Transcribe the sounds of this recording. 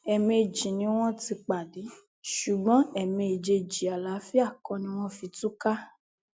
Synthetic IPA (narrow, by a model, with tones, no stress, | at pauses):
ɛ˨mẽ˧˨d͡ʒi˨nĩ˧˦w̃ɔ̃˦ti˧k͡pa˨di˨˦ | ʃu˨ɡ͡bɔ̃˨˦ɛ˨mẽ˧e˨d͡ʒe˧d͡ʒi˨a˨la˨˦fi˦a˦˨kɔ̃˧nĩ˦w̃ɔ̃˦fi˧tu˦ka˦